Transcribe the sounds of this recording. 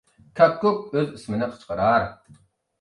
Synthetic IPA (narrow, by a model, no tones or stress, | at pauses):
kʰakːuk̚øzismɨnɪqʰə̥t͡ʃqəɾɑːɾ